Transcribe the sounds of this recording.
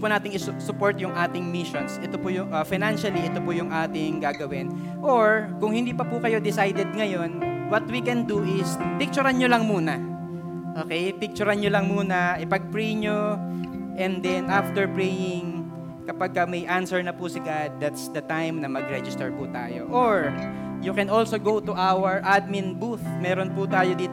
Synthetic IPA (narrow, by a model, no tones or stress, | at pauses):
pʊnaːt̪ɪŋɪsʊpoɹt̪jʊŋʔaːt̪ɪŋmɪʃonsʔɛt̪opʊjʊŋʔɐfɪjnanʃɐliʔɛt̪opʊjʊŋʔaːt̪ɪŋɡaːɡɐwɪn | ʔoɹkʊŋhɪ̃nd̪iːpɐpʊkɐjo̞d̪ɪsajd̪ɛd̪̚ŋɐjo̞nwɐt̪̚wikɛnd̪uʔɪspɪk̚t͡ʃʊɾɐnɲolɐŋmuːnɐ | ʔoːkɛjpɪk̚t͡ʃʊɾɐnɲolɐŋmuːnɐɪpɐɡ̚pɹɛjɲo | ʔɛnd̪ɛnʔaft̪ɛɹpɹɛjɪŋ | kɐpaɡ̚kɐmɐjʔansɛɹnɐpʊsɪɡad̪̚ːat̪sd̪ɐt̪ajmnɐmɐɡɾɛd͡ʒɪst̪ɛɹpʊt̪a̰ːjo̰ʔoɹ | jukɛnolsoɡowt̪ʊʔawɐɹʔad̪̚mɪnbuθmɛːɾonpʊt̪aːjod̪iːt̪